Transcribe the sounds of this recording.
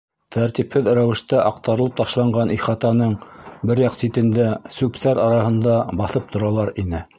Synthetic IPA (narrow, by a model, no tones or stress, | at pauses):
t̪ʰæɾt̪iphɘðɾæwɘ̆ʃt̪æʔɑq̚t̪ɑɾɤ̆lˠɤp̚t̪ɑʃlˠɑɴɢɑnʔiχɑt̪ɑnɤɴbɘɾjɑqsit̪ɘ̆nd̪æsʉpsæɾɑɾɑhɤ̆nd̪ɑbɑθɤp̚t̪ʰŏɾɑlˠɑɾinɘ